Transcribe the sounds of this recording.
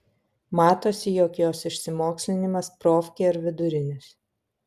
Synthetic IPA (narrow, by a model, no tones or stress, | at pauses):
mɑːt̪oːsʲɪjoːkjoːsɪʃʲsʲɪmoːksʲlʲɪnʲɪmɐspɾoːfʲkʲeɐɾʋʲɪd̪ʊɾʲɪnʲɪs